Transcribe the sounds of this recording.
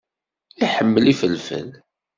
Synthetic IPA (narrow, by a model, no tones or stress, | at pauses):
iħəmːəlifəlfə̰l